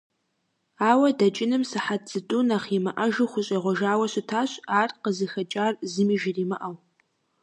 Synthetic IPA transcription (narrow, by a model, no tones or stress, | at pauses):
aːwɐdɐt͡ʃʼɪnɨmsɨħatz̥ɨtʼunaːχimɐʔɐʒɨχʷʊɕʼɐʁʷɔʒaːwɐɕɪtʰaːɕaːrqəzɨxɐt͡ʃʼaːrzɨmiʒɪriːmɐʔɐw